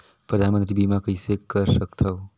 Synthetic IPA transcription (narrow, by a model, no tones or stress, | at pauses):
pɾəd̪ʱanmə̃nt̪ɾibimãkəisekəɾʃəkt̪ʰao